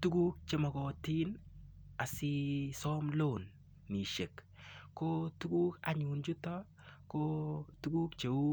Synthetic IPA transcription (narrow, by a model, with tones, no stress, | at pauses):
tu˦ɡu˦k̚t͡ʃe˨mɔ˨kɔ˨ti˦na˨si˦sɔ˦mlo˦˨nː | i˨ʃe˨kː | o˦tu˦ɡu˦ka̰˨ɲu˨nd͡ʒʊ˦tɔ˦ | kotu˦ɡu˦kt͡ʃe˨u˦